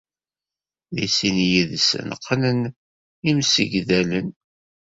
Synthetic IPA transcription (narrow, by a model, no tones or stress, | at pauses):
ðisinjiðsə̰nqʰːənən | imsḭʝðælən